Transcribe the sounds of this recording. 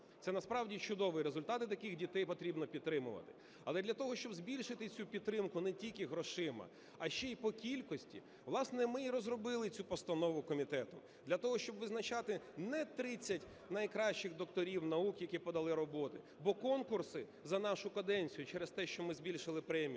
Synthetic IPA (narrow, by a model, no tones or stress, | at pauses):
t̪sɛnɐspɾɑwdʲit͡ʃʊd̪ɔʋɪɾezʊlʲt̪ɑt̪ɪt̪ɐkɪxdʲit̪ɛjpɔt̪ɾʲibnɔpʲid̪t̪ːɾɪmʊʋɐ̰t̪ɪ̥ | ɐlˠɛd̪lʲɐt̪ɔɦɔʃt͡ʃɔbzbʲilʲʃɪt̪ɪt͡sʲupʲid̪̚t̪ːɾɪmkʊnɛtʲilʲkɪɦɾɔʃɪmɐ̰ | ɐʃt͡ʃɛipɔkʲilʲkɔsʲtʲḭ | ʋlˠɑsnɛmɪiɾɔzrɔbɪlˠɪt͡sʲupɔst̪ɐnɔʋʊkɔmʲit̪ɛt̪ɔm | d̪lʲɐt̪ɔɦɔʃt͡ʃɔbʋɪznɐt͡ʃɑt̪ɪnɛt̪ɾɪt͡sʲːɐtʲ | nɐjkɾɑʃt͡ʃɪxd̪ɔk̚t̪ɔɾʲiwnɐukjɐkʲipɔd̪ɐlˠɪɾɔbɔt̪ɪ | bɔkɔnkʊrsɪ | zɐnɑʃʊkɐd̪ɛnʲt͡sʲijʊt͡ʃɛɾest̪ɛʃt͡ʃɔmɪzbʲilʲʃɪlˠɪpɾɛmʲi